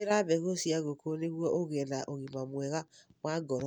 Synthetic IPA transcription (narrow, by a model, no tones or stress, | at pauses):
ɾaβɛɣosiaɣokoneɣwɔʔoɣɛnaʔoɣimamwɛɣamwaɡɔɾɔ